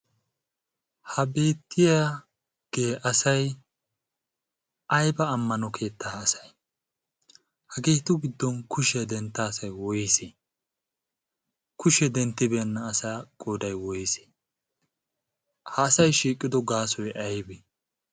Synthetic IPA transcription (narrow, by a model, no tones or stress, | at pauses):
hɐbe̞ːt̪ːɪja | ɡ̥eːʔɐsɐj | ʔɐjbɐːmːɐnɔkʰe̞ːt̪ːaːsɐ̥j | hɐɡeːt̪ʊɡɪd̪ːɔnkʰʊʃɛd̪ɛnt̪ːasɐjwɔjɪse | kʊʃɛd̪ɛnt̪ːɪbɛnːɐːsaːkʼoːd̪ɐjwɔjse̥ | hɐːsɐjʃiːkʼːɪd̪ɔɡaːsɔjʔɐjbɛ